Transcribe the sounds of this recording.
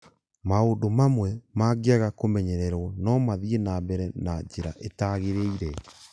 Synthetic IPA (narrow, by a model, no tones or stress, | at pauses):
maondomamwɛmaɣeaɣakomɛɲɛɾɛɾwɔnɔmaðienabɛɾɛnad͡ʑeɾa̰ʔetaɣeɾeiɾɛ